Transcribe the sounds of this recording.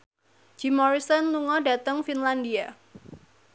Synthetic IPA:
d͡ʒ̥imɔɾisɔnluŋɔda̤t̪əŋfinlandia

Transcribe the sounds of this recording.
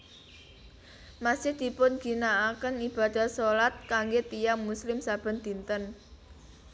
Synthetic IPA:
masɪhd̪̥i̤pʊnɡ̥i̤naːkənib̥a̤d̪̥a̤solat̪̚kaŋɡet̪ijaŋmuslɪmsab̥ə̤nd̪̥i̤nt̪ən

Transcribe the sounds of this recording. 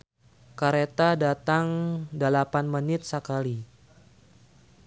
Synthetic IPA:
kaɾet̪adat̪aŋdəlapanmənɪt̪̚səkali

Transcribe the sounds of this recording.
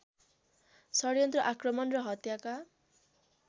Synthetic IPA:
sʌɾjʌnt̪rʌʔakrʌmʌnrʌɦʌt̪jaka

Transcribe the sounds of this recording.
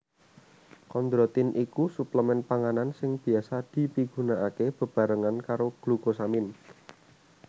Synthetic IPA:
kɔnd̪ɾɔt̪ɪnʔikusupləmɛnpaŋanansɪŋb̥i̤asad̪̥i̤piɡ̥ṳnaʔakeb̥ə̤b̥a̤ɾəŋankaɾoɡ̥lukosamɪn

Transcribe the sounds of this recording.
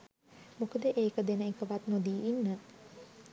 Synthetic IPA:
mukəd̪əʔeːkəd̪enəekəʋat̪nod̪iːinːə

